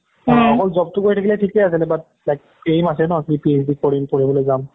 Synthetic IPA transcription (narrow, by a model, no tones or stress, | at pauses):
ɔkɔlzɔb̚tʊkojtʰakilɛtʰikɛasilɛbat̚ | lajk̚ | pejmas̬ɛnɔakipies̬dikɔɹimpoɹibolojzam